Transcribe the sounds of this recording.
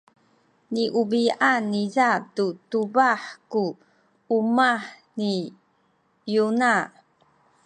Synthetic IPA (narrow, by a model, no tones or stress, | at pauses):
niʔubianːizatutubaħku | umaħ | ni | juna